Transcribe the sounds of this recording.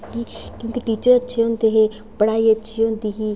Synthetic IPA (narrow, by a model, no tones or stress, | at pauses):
kiːkjõːkiʈiːt͡ʃəɾətːʃʰeːɦõːnd̪eːɦeː | pəɽ̃aːiːətːʃʰiːõːnd̪iːɦiː